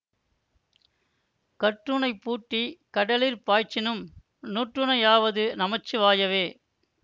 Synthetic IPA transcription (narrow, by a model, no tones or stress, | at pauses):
kɐʈːɯɳɐɪpːuːʈːikɐɽɐliɾpaːjt͡ʃːɪnɯm | nuːʈrɯnɐjaːʋɐðɯnɐmɐt͡ʃːɯʋaːjɐʋeː